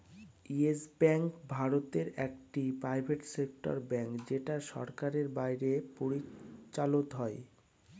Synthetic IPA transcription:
iesbɛŋkbʱaɾot̪eɾɛk̚ʈipɾajbʱeʈsek̚ʈo̰ɾbɛŋkd͡ʑeʈaʃɔ̰ɾkaɾeɾbajɾepoɾit͡ɕalot̪ɦɔe

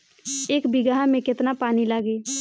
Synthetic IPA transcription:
eːkbɪɡaɦamẽkɪt̪napaːnilaːɡeː

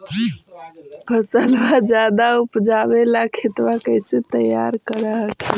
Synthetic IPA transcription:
pʰəsəlʋad͡ʒad̪aupd͡ʒabelakʰit̪ʋakəɪset̪əja̰ɾkəɾəɦəkʰe

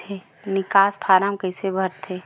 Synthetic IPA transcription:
eː | nɪkaːspʰaːɾamkəɪsebʱɐɾt̪ʰeː

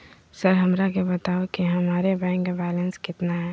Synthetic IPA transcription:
sɐɾɦɐmɾakebɐt̪aːokiɦɐmaːɾebɛ̃ːŋkbɛːlə̃nskɪt̪naɦɛː

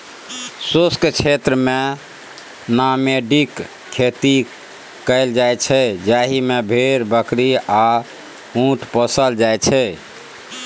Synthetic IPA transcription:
soskt͡ʃʰet̪ɾəme | nameɖik | kʰːet̪i | kəɪld͡ʒajt͡ʃʰɛd͡ʒaɦimebʱeɾbəkɾia | ũʈʰpəsəld͡ʒajt͡ʃʰɛ

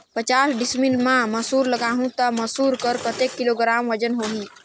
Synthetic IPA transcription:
pət͡ʃaːsɖɪsmilmãməsuːɾləɡaːɦũt̪əməsuːɾkəɾkət̪eːkːiloːɡɾaːmʋəd͡ʒənɦoːɦi

